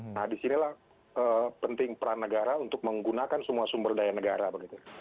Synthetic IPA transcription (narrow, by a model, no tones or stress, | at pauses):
nahdisinilah | əːpənt̪ɪŋpəɾanəɡaɾaunt̪ʊk̚məŋɡunakansəmuasumbərdajanəɡaɾabəɡit̪u